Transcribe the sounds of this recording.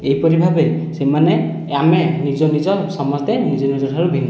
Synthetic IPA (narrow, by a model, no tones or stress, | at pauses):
ejpɔɾibʱabesemanɛ | amɛnizɔnizɔsɔmɔst̪ɛnizɔnizɔtʰaɹubʱin